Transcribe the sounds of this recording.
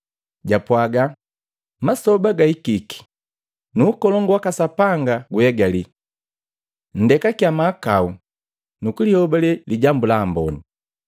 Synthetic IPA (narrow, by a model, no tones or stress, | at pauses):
ɟapwaɡa | masɔbaɡaikiki̥ | nuːkɔlɔŋɡwakasapaŋɡaɡuhɛɡali | n̩dɛkakjamaːkau | nukulihɔbalɛliɟambulaːmbɔni